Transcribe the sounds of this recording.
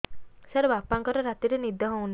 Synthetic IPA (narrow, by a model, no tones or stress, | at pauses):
saɾbapaŋkɔɾɔɾat̪iɾenid̪ʱɔɦõun